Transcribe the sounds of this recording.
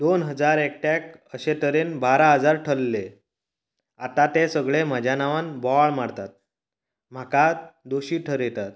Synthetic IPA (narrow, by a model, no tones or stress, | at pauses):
d̪onɦəd͡zaɾek̚ʈakəɕet̪ʰəɾenbaɾaɦəd͡zaɾʈʰəlːe | at̪at̪esəɡɭem̤əd͡ʑʱjanaʋanbɔɭmaɽt̪at̪̚ | m̤akad̪oɕiːʈʰəɾjet̪at̪̚